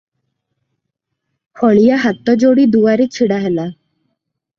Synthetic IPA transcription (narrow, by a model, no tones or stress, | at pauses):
hɔɭijaɦat̪ːɔd͡ʑoɽiːd̪uʋaɾit͡ɕʰiɽaɦɛla